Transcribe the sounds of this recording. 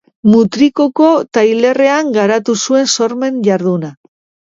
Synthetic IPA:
mut̪ɾikoko̞t̪ajle̞re̞aŋɡaɾat̪usue̞nso̞ɾme̞nʝaɾðuna

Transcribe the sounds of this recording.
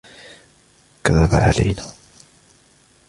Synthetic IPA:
kaðːabaʕa̰la̰jnaː

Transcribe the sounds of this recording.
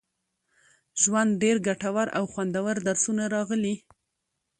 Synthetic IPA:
ʒwand̪̚ɖeɾɡaʈawaɾa̰wxwand̪awaɾd̪aɾsunaɾɑɣəli

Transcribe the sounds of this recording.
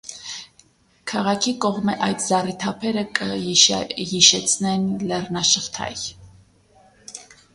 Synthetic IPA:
kʰɑʁɑkʰikɔʁməʔɑjt̪zɑrit̪ʰɑpʰɛɾəkʼəiʃhiʃɛt͡sʰnɛnlɛrnɑʃəʁt̪ʰɑ̰j

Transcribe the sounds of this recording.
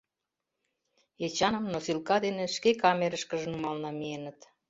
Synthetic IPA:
et͡ɕɑnəmnosilkɑd̪enĕʃkekɑmeɾəʃkəʒə̆numɑlnɑmienət̪

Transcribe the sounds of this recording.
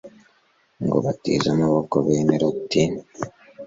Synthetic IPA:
ŋɡo̰βatizamaβokoβeːmeɾotin

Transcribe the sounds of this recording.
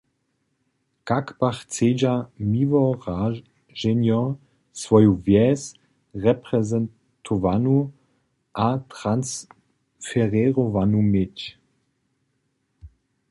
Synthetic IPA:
kakpaχt͡seːd͡ʒamiːvɔʁa | ʒɛnjɔ | svɔjuvjɛːs | ʁɛpʁɛzɛn | tʰovanu | ʔat̪ʁans | fɛʁɛʁovanumɪt

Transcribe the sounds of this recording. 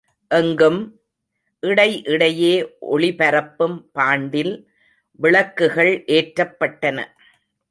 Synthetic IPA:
ʔɛŋɡɯm | ʔɪɽɐɪʔɪɽɐjeːʔɔ̰ɭɪpɐɾɐpːɯmpaːɳɖɪl | ʋɪɭɐkːɯɣɐɭʔeːʈɾɐpːɐʈːɐnɐ̰

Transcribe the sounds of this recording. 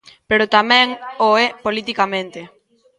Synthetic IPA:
peɾot̪amɛ̃ŋoɛpolit̪ikamẽnt̪e

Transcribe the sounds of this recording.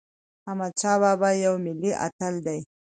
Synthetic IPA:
hamat͡ʃɑβɑbajawmɪliʔa̰t̪əld̪aj

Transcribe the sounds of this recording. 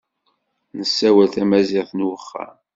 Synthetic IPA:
nəsːæwælθæmæzɪʁθnwəχːa̰m

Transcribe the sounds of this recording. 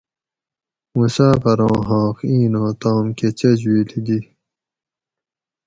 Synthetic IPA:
wusaːpɐɾɑ̃ːɦɑ̃ːxĩːnõːt̪ãːmket͡ɕɐd͡ʑwiːlid̪i

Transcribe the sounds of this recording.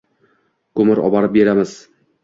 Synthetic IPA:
kɵmɪɾɒ̰bɑɾɪp̚be̞ɾamɪz̥

